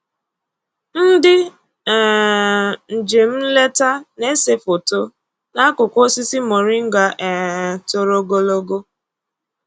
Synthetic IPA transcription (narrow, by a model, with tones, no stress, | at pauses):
n̩˦dɪ˦˨ | n̩˨d͡ʒe˨m̩˦le˦ta˦ne˦se˦fo˨to˦ | na˦kʊ˨kʷo˦si˦si˦mo˨ɾɪ˦ŋ̩˦ɡa˨ʔɛ˨to˨ɾo˦ɡo˦lo˦ɡo˦